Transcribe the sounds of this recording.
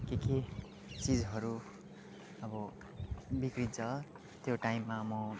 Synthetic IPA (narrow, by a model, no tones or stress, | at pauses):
keke | t͡sid͡zɦʌɾu | ʌbʌ | bikrit̪̚t͡sʌ | t̪joʈaimːamʌ